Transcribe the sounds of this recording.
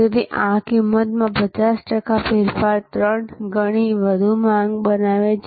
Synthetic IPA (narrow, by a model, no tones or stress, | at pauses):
d̪iʔãkɪmːət̪mãpət͡ʃasʈəkafeɾfaɾt̪ɾəɳɡəɽ̃iʋəd̪ʱumãŋɡbənaʋet͡ʃ